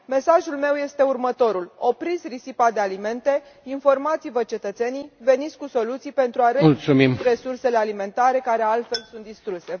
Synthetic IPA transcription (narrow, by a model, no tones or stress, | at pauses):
me̞saʒulme̞wje̞st̪e̞urmət̪o̞ɾulo̞pɾisrisipad̪ealime̞nt̪e̞ | info̞rmat̪sivət͡ʃe̞t̪ət̪se̞nijve̞nit̪sʲkuso̞lut̪sijpe̞nt̪ɾuaɾeult̪sumimre̞surse̞le̞alime̞nt̪aɾe̞kaɾe̞alt̪fe̞lsunt̪̚d̪ist̪ɾuse̞